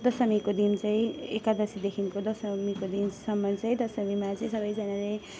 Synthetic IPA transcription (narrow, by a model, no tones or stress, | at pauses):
d̪ʌsʌmikod̪int͡saĩekad̪ʌsid̪ekʰinkod̪ʌsʌmikod̪insʌmːʌt͡sʌĩd̪ʌsʌmimat͡sʌĩsʌbʌjd͡zanale